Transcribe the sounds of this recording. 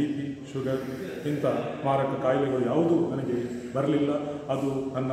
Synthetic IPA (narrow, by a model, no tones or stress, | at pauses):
iːpiʃuɡɐɾ | int̪ɐmaːɾɐkɐkaːjlɛɡɐɭujaːʋud̪unɐnɐɡe̞bɐɾɐlilːɐɐd̪unɐnːɐ